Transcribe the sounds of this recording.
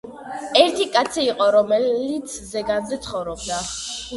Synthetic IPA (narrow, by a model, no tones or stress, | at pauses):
ɛɾt̪ʰikʼat̪sʰiːqʼɔɾɔmɛit̪sʰzɛɡand̪ɛt̪sʰχɔvɾɔb̚d̪a